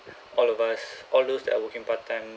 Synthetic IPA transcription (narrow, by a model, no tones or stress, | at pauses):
ɔlɔvasʔɔldosdɛ̰ʔawɔkĩŋpatʰːãjm